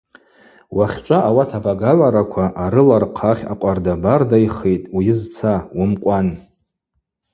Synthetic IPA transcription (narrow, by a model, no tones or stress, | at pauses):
waχʲt͡ʃʷʼaʔawatʰabaɡaʕʷaɾakʷʰaʔaɾɨlarqʰaχʲa̰qʷʼardabardajχejtʼwijɪzt͡sʰawʊmqʷʼan